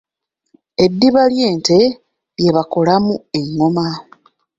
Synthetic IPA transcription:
e̞dːiβalje̞ːnte̞ | βje̞βako̞lamue̞ŋoma

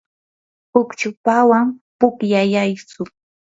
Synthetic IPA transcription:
ʊkt͡ʃʊpawampʊkjajajsʊ

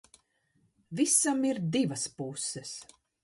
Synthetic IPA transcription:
visamiɾd̪ivɐspusːɛs

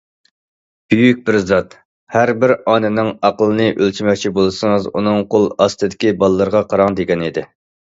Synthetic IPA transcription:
b̥yjyk̚ʲbɪɾzɑt̪ | hæɾbɪɾɑnɪnɪŋɑqəlˠɨnɨʔølt͡ʃʰimɛk̚ʲt͡ʃʰibolˠɨsɨŋɨzunɨŋqʰolˠɑst̪ɨd̪ɪkʲibɑlˠəːɨɾəʁɑqʰɑɾɑŋd̪eɡʲɛnid̪ɪ

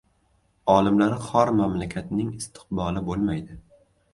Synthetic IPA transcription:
ɒlɪmlaɾɪχɒɾmamlakʲʰat̪nɪŋɪst̪ʰɪ̥qbɒlɪbolˠmajd̪ɪ

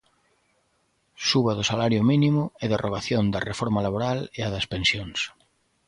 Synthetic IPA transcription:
suβɐðʊsalaɾjʊminimʊɛðerʔoɣ̞aθjond̪ɐrefɔɾmalaβoɾaleaðɐspensjoŋs

